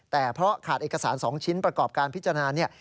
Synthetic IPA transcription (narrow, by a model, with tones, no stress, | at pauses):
t̪ɛː˨˩pʰɾɔ˦˥kʰaː˨˩t̪̚ʔeː˨˩ka˧saː˩˦nsɔː˩˦ŋt͡ɕʰi˦˥npɾa˧kɔː˨˩p̚kaː˧npʰi˦˥t͡ɕːa˧naː˧ni˥˩ɐ